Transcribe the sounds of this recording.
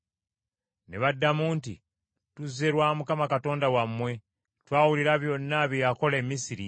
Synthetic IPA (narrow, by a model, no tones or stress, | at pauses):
neβadːamunti | tuze̞ɾwaːmukamakato̞ːndawamːwe̞ | twaːwuliɾaβjo̞nːaβjojako̞le̞ːmisiɾi